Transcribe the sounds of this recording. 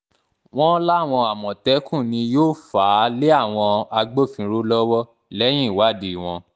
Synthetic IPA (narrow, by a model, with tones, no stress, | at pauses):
w̃ɔ̃˦la˦˨w̃ɔ̃˧a˨mɔ̃˨tɛ˨˦kʰũ˦˨nĩ˧joː˦˨faː˨˦le˦a˦˨w̃ɔ̃˧a˧ɡ͡bo˦˨fĩ˧˦ɾo˦lɔ˦wɔ˦ | lɛ˦j̃ĩ˦˨wa˦˨di˨i˨w̃ɔ̃˧